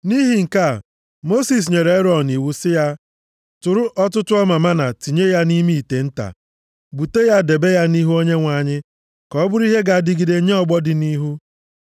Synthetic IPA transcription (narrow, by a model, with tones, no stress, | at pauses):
ni˦ɦi˨ŋ̩˨ka˦˨ | mo˦si˨s̬ɲe˨ɾe˦ɾɔ˨ni˨wu˦sɪ˦ja˦ | tʊ˨ɾʊ˦ʔɔ˦tʊ˦tʊ˦ɔ˦ma˨ma˦na˨ti˨ɲe˦ja˦ni˦mi˦i˨te˨n̩˦ta̰˨ | bu˨te˦ja˦de˨be˦ja˦ni˦ɦu˦o˦ɲe˦ŋʷa˨ɲɪ˦ | kɔ˨˦bʊ˦ɾi˦ɦe˦ɡa˨dɪ˦ɡi˨de˨˦ɲe˦ɔ˨ɡ͡bɔ˦dɪ˨ni˦ɦu˦